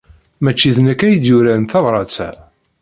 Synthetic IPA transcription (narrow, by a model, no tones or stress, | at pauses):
mæt͡ʃːiðnækːæjəd̪jʊɾænθɑvɾˤɑt͡sæ̰